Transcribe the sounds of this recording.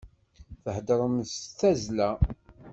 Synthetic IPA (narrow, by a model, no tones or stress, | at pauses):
θəhd̪ɾˤəmsθæzlæ